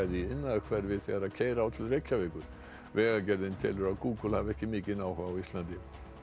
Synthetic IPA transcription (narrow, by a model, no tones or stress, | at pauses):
ɛðɪɪnːaðkʰvɛɾvɪðθɛɣaɾaðcʰeːjɾaawt̪ʰɪlrejcːavɛːkʏɾ̥ | vɛːɣacɛɾðɪnt̪ʰɛ̰ːlʏɾaðkuːkʏlhavɛhcɪmɪːcɪnawhaːwist̪lant̪ɪ